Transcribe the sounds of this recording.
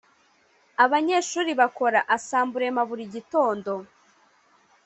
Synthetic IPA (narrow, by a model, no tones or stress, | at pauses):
aβaɲe̞ːʃuːɾiβako̞ɾaʔasaːmbuɾe̞maβuɾiɟito̞ːndo̞